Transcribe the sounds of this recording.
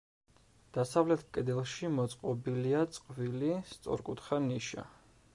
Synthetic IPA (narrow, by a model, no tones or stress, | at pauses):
d̪̥asavlɛt̪ʰkʼɛd̪ɛlˠʃimɔt̪sʼqʼɔbiliat̪sʼqʼvilist̪sʼɔ̰ɾkʼut̪ʰχaniʃa̰